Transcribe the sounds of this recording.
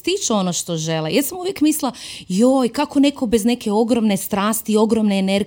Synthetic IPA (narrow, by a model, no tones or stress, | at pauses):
t̪it͡ʃuonoʃt̪oʒelejɛsamuʋjekmislˠajoːjkako̞ne̞ko̞bezne̞ke̞o̞ɡɾomne̞st̪ɾaːst̪io̞ɡɾomneːneɾ